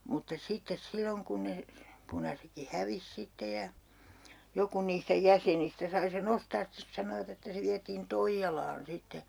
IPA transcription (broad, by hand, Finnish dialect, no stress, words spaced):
mutːɑ sitːes silːoŋ kun ne punɑsekːi hæʋis sitːe jɑ joku niːstæ jæsenistæ sɑi sen ostɑːs stes sɑnoʋɑt etːæ se ʋiætiːn toijːɑlɑːn sitːe